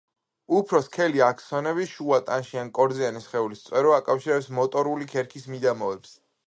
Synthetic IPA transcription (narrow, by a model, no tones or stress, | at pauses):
upʰɾɔskʰɛliakʰsɔnɛβiʃuat̪ʼanʃiankʼɔɾd̪zianisχɛulist̪sʼwɛɾɔakʼafʃiɾɛpsmɔt̪ʼɔɾulikʰɛɾkʰismid̪amɔɛps